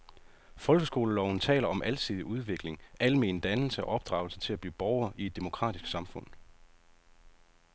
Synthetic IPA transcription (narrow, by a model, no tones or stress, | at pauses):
fɒ̽lɡ̥əsɡ̥o̝ːləlɒʊn̩t͡sʰɛ̰ːlɐɒ̽mʔælsʰiðˠiʔuð̞ˠʋe̝ɡ̥le̝ŋʔælme̝̰ːn̩d̥ænl̩səæʔɒ̽b̥̚d̥ʁɑ̈ʊl̩sət͡sʰe̝læb̥lḭːb̥ɒʊɐʔied̥̚ːe̝mo̝kʰʁɑ̰̈ːd̥isɡ̥sɑ̈mfɔ̽n̰